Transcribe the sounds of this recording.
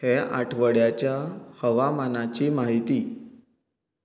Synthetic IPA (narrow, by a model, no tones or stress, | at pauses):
heaʈʰʋəɽjat͡ɕjahəʋamanat͡ɕiːmaɦit̪iː